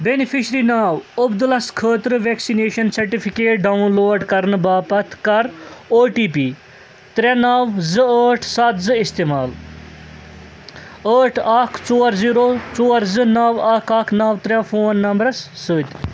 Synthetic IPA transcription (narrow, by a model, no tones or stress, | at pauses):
benipʰiʃɾinaːʋɐbd̪ulɐskʰəːt̪ɾɨʋeːksineːʃɐnsɐɾʈipʰikeːʈ̚ɖɐunloːɖkɐɾnbaːpɐt̪ʰkɐɾoːʈiːpiː | t̪ɾʲɐnɐʋzɨəːʈʰsɐt̪zɨist̪eːmaːl | əːʈʰaːkʰt͡soːɾziːɾoːt͡soːɾzɨnɐʋaːkʰɐːkʰnɐʋt̪ɾʲɐfʰoːnːɐmbɾɐsːɨːt̪ʲ